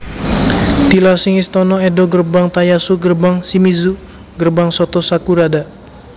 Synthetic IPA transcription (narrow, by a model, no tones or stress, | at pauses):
t̪ilasiŋist̪ɔnɔɛdɔɡərbaŋt̪ajasuɡərbaŋsimizu | ɡərbaŋsɔt̪ɔsakuɾada